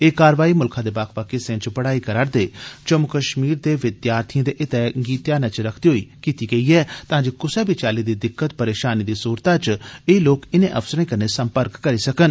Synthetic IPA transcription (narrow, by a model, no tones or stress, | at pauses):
eːkaːɾʋaːimʊlkʰãd̪eːbaːkʰpakɪsẽt͡ʃbəɽaːikɐɾaːɾd̪eːt͡ʃəmukəʃmiːɾd̪eːʋɪd̪jaːɾt̪ʰijãd̪eʔɪt̪ɛɡiːt̪jaːnɛt͡ʃɾɐkʰd̪iɦoːikiːt̪iɡɐiɛːt̪ãːd͡ʒekʊsɛbɪt͡ʃaːlid̪id̪ɪkːət̪pɐɾeːʃaːnid̪iːsuːɾt̪ãt͡ʃeːiloːkɪnẽʔɐfsəɾãkəɾnesə̃mpəɾkːɐɾisɐkən